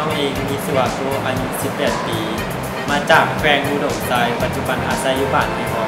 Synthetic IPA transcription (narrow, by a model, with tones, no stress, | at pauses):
a˧˥˩wʔeː˧ŋmiː˧˥si˧˩waː˧˩koː˧˥ʔaː˧ju˦˥si˨˩pːɛː˨˩t̪̚piː˧ | maː˧t͡ɕaː˨˩k̚kʰɾɛː˧ŋʔuː˧˥doː˨˩p̚sa˧˥jpa˨˩t̪̚t͡ɕu˨˩ba˧nʔaː˧sa˦˥jːu˦˥baː˨˩nma˧˥˩kʰɔ˦˥